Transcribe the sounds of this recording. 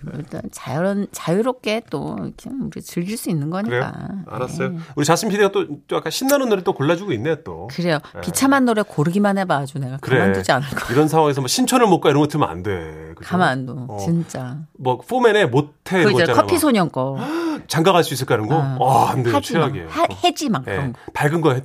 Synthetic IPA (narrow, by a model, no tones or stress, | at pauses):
kmit͈a̰nt͡ɕajɾʌnt͡ɕajuɾop̚k͈e̞t͈o̰ḭkʰeuɾit͡ɕɯɭɡiɭs͈uinːɯnɡʌɲiɾejk͈a̰a̰ɾas͈ʌjouɾit͡ɕasʰimpʰidiɡat͈ot͡ɕ͈oak͈aɕʰinːanonːɯɾit͈okoɭːad͡ʑuɡuinːejot͈o̰kɯɾe̞jopit͡ɕʰamanːoɾekoɾɯɡimanebad͡ʑune̞ɡakɯaɾmeandod͡ʑianɯɭk͈ḁiɾʌnsʰaŋwaŋe̞sʰʌmoɕʰint͡ɕʰʌnɯɭmok͈aiɾʌŋɡʌtʰɯmʌna̰nde̞kɯkamandot͡ɕint͡ɕ͈amʌf͈omene̞motʰe̞oakʰʌpʰisʰoɲʌŋk͈ʌt͡ɕaŋɡaɣaɭs͈uis̬͈ɯɭk͈aɾɯnɡoʌandeed͡ʑʰeaɡiḛjoehed͡ʑimakʰmpaɭɡɯnɡʌɦe